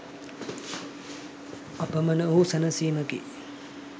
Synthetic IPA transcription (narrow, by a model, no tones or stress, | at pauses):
ɐpəmənəoɦusɐnɐsiːməɡḛ